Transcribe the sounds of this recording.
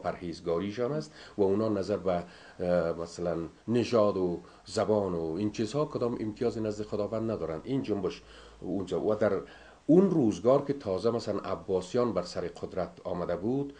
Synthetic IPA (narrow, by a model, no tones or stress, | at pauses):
pʰaɾheːzɡɔːɾiʃɔːnast̪waunɒːnazaɾba | masalanː | ɪʒɒːd̪o | zabɔːnoint͡ʃʰizhɒːkʊd̪ɔːmɪ̰mt̪ʰijɒːzenazd̪ɪxʊd̪ɒːvand̪nad̪ɔːɾand̪ind͡ʒʊmbɪʃ | und͡ʒɔwad̪aɾ | unɾuzɡɒːɾket̪ʰɔzamasalanʔa̰bːɒːsijɔnbaɾsaɾeqʰʊd̪ɾat̪ɒːmad̪abud̪